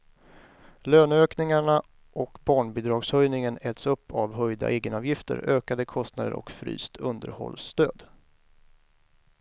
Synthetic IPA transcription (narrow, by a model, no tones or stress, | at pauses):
løːnøːknɪŋaɳa | ʔɔkbɑːɳbɪd̪ɾɑːɡshœjnɪŋənɛlt̪sɵpːavɦœjd̪a̰ʔeːɡənɑːvjɪft̪ə̰ɾøːkad̪əkʰɔst̪nad̪ə̰ɾʔɔ̰kfɾy̰ːst̪ʰɵnd̪əɾhɔ̰lːst̪øːd̪